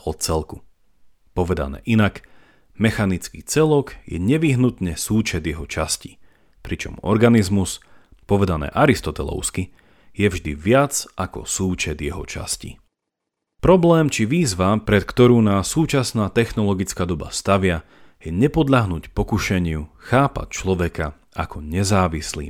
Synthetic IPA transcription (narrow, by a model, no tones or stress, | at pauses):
ɔt̪̚t͡sɛlku̥ | pɔʋɛd̪a̰nɛ̰ːʔinak | mɛxanit͡skit͡sɛlɔɡjɛ̰ɲɛʋiɦnut̪ɲɛsuːt͡ʃɛd̪jɛɦɔt͡ʃasci̥ | pɾit͡ʃɔ̰mɔ̰ɾɡanizmus | pɔʋɛd̪anɛ̰ːʔaɾist̪ɔt̪ɛlɔ̰ʊski | jɛvʒd̪iʋɪad͡zʔakɔ̰suːt͡ʃɛd̪jɛɦɔ̰t͡ʃa̰scḭ | pɾɔblɛːmt͡ʃiʋiːzʋapɾɛt̪kt̪ɔɾuːnaːsːuːt͡ʃasnaːt̪ɛxnɔlɔɡit͡skaːd̪ɔba̰st̪aʋɪa | jɛɲɛpɔd̪ʎaɦnuːcpɔkuʃɛɲɪuxaːpa̰c̚t͡ʃlɔʋɛka | akɔɲɛzaːʋislḭː